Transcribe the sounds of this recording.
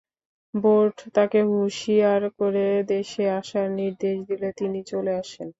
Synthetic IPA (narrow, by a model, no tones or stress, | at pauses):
boɾɖt̪akeɦuʃiaɾkoɾed̪eʃeaʃaɾniɾd̪eʃd̪ilet̪init͡ɕoleaʃen